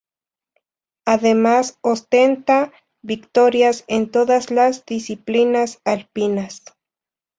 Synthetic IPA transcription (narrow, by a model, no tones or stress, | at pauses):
aðemasost̪ent̪a | bikt̪oɾjasent̪oðaslasd̪isiplinasalpinas